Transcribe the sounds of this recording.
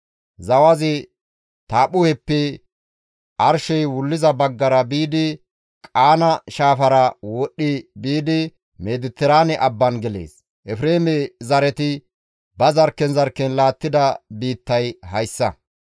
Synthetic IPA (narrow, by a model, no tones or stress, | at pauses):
zɐwɐzɪ | t̪aːpʊhɛpːɛ | ʔɐɾʃɔjwʊlːɪzɐbɐɡːɐɾɐbiːd̪ɪ | kʼaːnɐʃaːfɐɾɐwɔɗːɪbiːd̪ɪ | meːd̪ɪt̪ːɛɾaːnɛʔɐbːɐnɡɛlḛːs | ʔɛfɾeːmɛzɐɾɛt̪ɪ | bɐzɐɾkːɛnzɐɾkːɛnlaːt̪ːɪd̪ɐbiːt̪ːɐjhɐjsːɐ